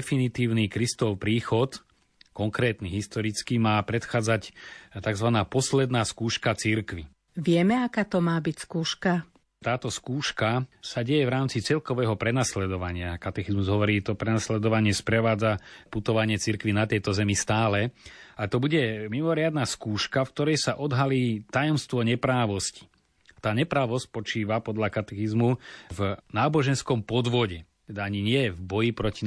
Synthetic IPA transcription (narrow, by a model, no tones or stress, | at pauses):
finit̪iːʊnikɾist̪ɔʊpɾiːxɔt̪ | kɔŋkɾɛːt̪niɦist̪ɔɾit͡skimaːpɾɛt̪xaːd͡zact̪aɡzʋanaːpɔslɛd̪naːskuːʃkat͡siɾkʋi | ʋɪɛmɛakaːt̪ɔmaːbicskuːʃka | t̪aːt̪ɔskuːʃkasaɟɛjɛvɾaːmt͡sit͡sɛlkɔʋɛːɦɔpɾɛnaslɛd̪ɔʋaɲɪakat̪ɛxizmuzɦɔʋɔɾiːt̪ɔpɾɛnaslɛd̪ɔʋaɲɪɛspɾɛʋaːd͡zaput̪ɔʋaɲɪɛt͡siɾkʋinat̪jɛt̪ɔzɛmist̪aːlɛat̪ɔbuɟɛmimɔɾɪad̪naskuːʃkafk̚t̪ɔɾɛjsaʔɔd̪ɦaliːt̪ajɔmst̪ʋɔɲɛpɾaːʋɔsci̥ | t̪aːɲɛpɾaːʋɔspɔt͡ʃiːʋapɔd̪ʎakat̪ɛxizmuvnaːbɔʒɛnskɔmpɔd̪ʋɔɟɛt̪ɛd̪aaɲiɲɪɛvbɔjipɾɔci